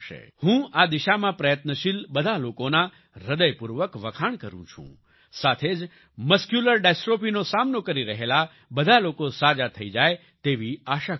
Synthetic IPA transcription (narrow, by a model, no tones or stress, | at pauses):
ʃḛhũad̪iʃamãpɾəjət̪nəʃilbəd̪ʱalokona | ɾəd̪əjpuɾʋəkʋəkʰaɳkəɾṵ̃t͡ʃʰṵ̃ | sat̪ʰed͡ʒ | məskjuləɾɖesʈɾopinosamnokəɾiɾəɦela | bəd̪ʱalokosad͡ʒat̪ʰəid͡ʒaj | t̪eʋiaʃa